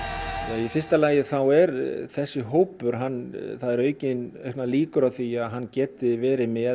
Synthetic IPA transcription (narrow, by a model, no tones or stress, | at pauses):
jaifɪr̥st̪alaːjɪθawɛɾθɛsːɪɦoːwpʏɾ̥ɦanːθaðɛɾœːɥcɪnœɥhknaliːkʏɾawθiaðɦanːcɛːt̪ɪvɛːɾɪmɛ